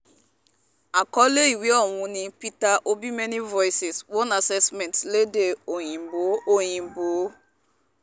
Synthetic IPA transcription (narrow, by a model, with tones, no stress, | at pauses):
a˨kɔ˦le˦i˨wi˦ɔ˨ŋʷʊ˦nɪ˦pi˦ta˦ʔo˦bi˦me˦ni˦vɔ˦jsɪ˨swɔ˦na˨sɛ˦smɛ˨ntle˦de˨o˨ɲi˨m̩˨bo˨˦o˨ɲi˨m̩˨bo˨˦